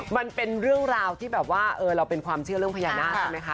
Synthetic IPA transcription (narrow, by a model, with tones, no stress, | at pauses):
ma˧npe˧nɾɯ˥˩əŋɾaː˧wt̪ʰiː˥˩bɛː˨˩p̚waː˥˩ʔɤː˧ɾa˧wpe˧nkʰwaː˧mt͡ɕʰɯ˥˩ɾɯ˥˩əpʰjaː˧˩˧naː˥˩˧ma˦˥jkʰa˦˥